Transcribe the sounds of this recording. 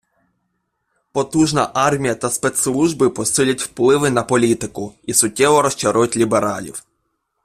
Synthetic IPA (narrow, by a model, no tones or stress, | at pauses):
pɔt̪uʒnɐʔɑrmʲijɐt̪ɐspɛt̪slˠuʒbɪpɔsɪlʲɐtʲwplˠɪʋɪnɐpɔlʲit̪ɪkʊisʊtʲːɛʋɔɾɔst͡ʃɐɾujʊtʲlʲibeɾɑlʲḭw